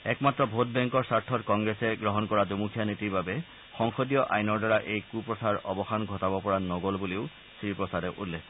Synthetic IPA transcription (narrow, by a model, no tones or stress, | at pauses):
ɛkmatɹɔbʱotbɛŋkɔɹsaɹtʰɔtkɔŋɡɹɛsɛɡɹɔɦɔnkɔɹadumukʰjanitiɹbabɛ | xɔŋxɔdijɔʔa̰jnɔɹdaɹaʔejkupɹɔsaɹɔbɔxanɡʱɔtabɔpɔɹanɔɡolbuleʊ | sɹipɹɔsadɛʔulːɛk